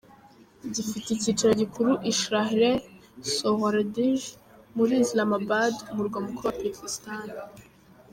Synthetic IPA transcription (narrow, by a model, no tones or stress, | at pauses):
zifiteicit͡ʃiɾoɟikʰuɾuʔiʃɾahɾesoɣaɾadiʒ | muɾiːslamabadumuɾɡwamukuɾuwapekistan